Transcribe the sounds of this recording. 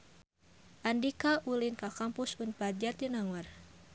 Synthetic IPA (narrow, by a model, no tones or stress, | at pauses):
ʔandikaʔulinkakampusunpad͡ʒat̪inaŋar